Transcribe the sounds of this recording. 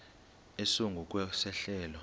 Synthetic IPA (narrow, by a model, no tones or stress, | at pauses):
esoŋɡʱuk̬ʼwɛsɛɬɛːlɔ